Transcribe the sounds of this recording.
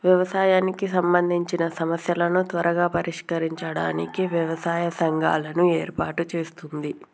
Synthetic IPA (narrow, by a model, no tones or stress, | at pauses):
ʋjɛʋɐsaːjaːnikisɐmbɐnd̪ʱiɲt͡ʃinɐsɐmɐsjɐlɐnut̪ʋɐɾɐɡaːpɐɾiʂkɐɾiɲt͡ʃɐɽaːnḭkiʋjɐʋɐsaːjɐsɐŋɡʱa̰ːlɐnueːɾpaːʈut͡ʃeːst̪und̪i